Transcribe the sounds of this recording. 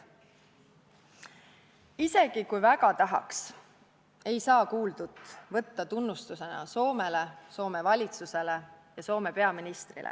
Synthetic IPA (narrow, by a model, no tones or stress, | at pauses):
ise̞ɡ̥ikujvæɡɑt̪ɑɦɑ̰ks | e̞jsɑːkuːld̪ud̪vɤ̞t̪ːɑt̪unːust̪use̞nɑ̰so̞ːme̞le̞so̞ːme̞vɑlʲit̪suse̞le̞jɑso̞ːme̞pe̞ɑminist̪rḭlʔḛ